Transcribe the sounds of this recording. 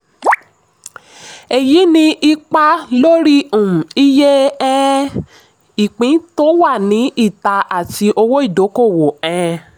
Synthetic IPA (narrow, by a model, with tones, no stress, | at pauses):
e˨ji˨˦nĩ˧ʔi˧k͡pa˧lo˦ɾi˦ũ˨i˦je˦ɛ̃˦ | i˨k͡pĩ˨˦to˦wa˦˨nĩ˨˦ʔi˦˨ta˧a˨ti˧ʔo˧wo˦i˦˨do˨˦ko˦˨wo˨ɛ̃˧